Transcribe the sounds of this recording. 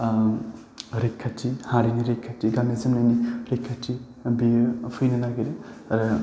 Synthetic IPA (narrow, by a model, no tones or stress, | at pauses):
ɾekʰːatʰːihaɾiniɾekʰːatːiɡamezimnajniɾekʰːatʰːi | bipʰɯjnanaɡiɾiɾɯ